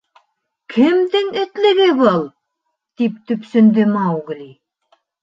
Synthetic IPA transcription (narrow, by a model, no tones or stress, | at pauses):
kʰɘ̆md̪ɘŋɘ̆t̪lɘ̆ɡɘβɤlˠ | t̪ip̚t̪ɵ̆psɵ̆nd̪ɘmɑwɡlʲi